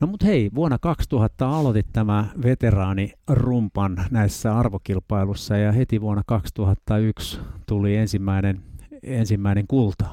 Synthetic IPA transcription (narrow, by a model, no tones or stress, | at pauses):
nomut̪heiʋuonːɑkɑkst̪uhɑt̪ːɑɑlot̪it̪t̪æmæʋet̪erɑːnirumpɑnnæisːæɑrʋokilpɑilusːɑjɑhet̪iʋuonːɑkɑkst̪uhɑt̪ːɑykst̪uliensimːæinenensimːæineŋkult̪ɑ̥